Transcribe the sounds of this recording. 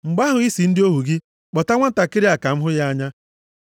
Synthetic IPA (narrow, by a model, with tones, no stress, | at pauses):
ŋ͡m̩˨ɡ͡ba˦ɦʊ˨i˦si˨n̩˦dɪ˦o˦ɦu˨ɡɪ˦ | k͡pɔ˨ta˦ŋʷa˦n̩˦ta˨kɪ˦ɾɪ˦a˨ka˨m̩˦ɦʊ˦ja˦a˦ɲa˦